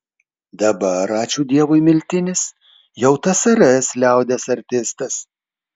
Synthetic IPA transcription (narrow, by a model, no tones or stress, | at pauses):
d̪ɐbɐɾɑːt͡ʃʲuːd̪ʲiɛʋʊɪmʲɪlʲt̪ʲɪnʲɪs | jɛʊt̪ɐsɐɾɛslʲæˑʊd̪ʲɛsɐɾʲt̪ʲɪst̪ɐs